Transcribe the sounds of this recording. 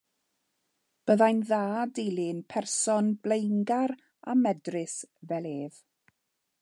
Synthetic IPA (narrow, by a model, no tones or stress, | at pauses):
b̥əðajnðaːdejlˠɪnpʰɛrsɔnb̥lejŋɡaɾ | a̰mɛdrɪsvɛlˠeːð